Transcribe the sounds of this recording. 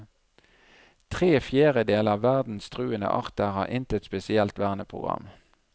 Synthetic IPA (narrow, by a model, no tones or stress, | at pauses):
t̪ʰʁeːfjæːʁəd̪eːləɑʋæʁd̪n̩st̪ʁʉːənə̰ʔɑ̰ʁt̪əʁhɑ̰ːʔɪnt̪ət̪spɛsɪɛlt̪ʋæːʁnəpʰʁʊ̰ɡʁɑ̰m